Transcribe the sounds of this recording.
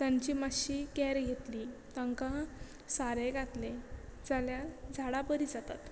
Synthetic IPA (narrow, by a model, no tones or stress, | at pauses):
t̪jaɲt͡ɕiːmaɕiːkɛɾɡʱet̪liːt̪aŋkã | saɾeɡʱat̪led͡zaljad͡zʱaɽabəɾid͡zat̪a̰t̪